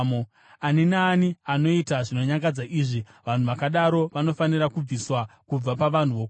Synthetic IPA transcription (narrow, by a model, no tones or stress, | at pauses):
mo | aninaːniano̞itaʐino̞ɲaŋɡad͡zaʔiːʐi | ʋan̤uʋakaɗaɾo̞ʋano̞fanirakub͡viswakub͡vapaʋan̤uʋok